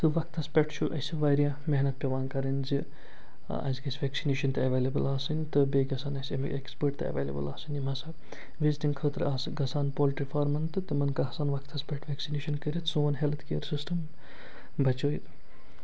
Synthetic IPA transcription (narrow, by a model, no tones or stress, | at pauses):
t̪ɨʋɐk̚ʰt̪ʰɐspʲeʈt͡ʃʰuʔɐ̰sɐʋaːɾijã | meɦnɐt̪̚pʲjɐʋaːnkɐɾɐnzi | ɐ̰zɡɐsʲʋʲeksineːʃɐnt̪ɨɐʋeːlebɨlaːsɨnʲt̪ɨbeːɡɐsaːnɐsem̰ḛkspəɾʈt̪ɨɐ̰ʋḛːlḛbɨ̰laːsɨnʲimɐsa | ʋizʈinkʰəːt̪ɾaːsɨɡɐsaːnpoːlʈɾifʰaːɾmɐnt̪ɨt̪ɨmɐnkɐɦɐsaːnʋɐkʰt̪ʰɐspʲeʈʰʋeksineːʃɐnkəɾʲit̪suːɐnɦelt̪ʰkejəɾsisʈɐm | bɐt͡ʃoːit̪